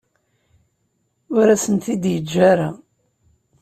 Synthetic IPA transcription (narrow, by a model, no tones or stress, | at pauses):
ʊɾæsənt̪id̪jəd͡ʒːaɾa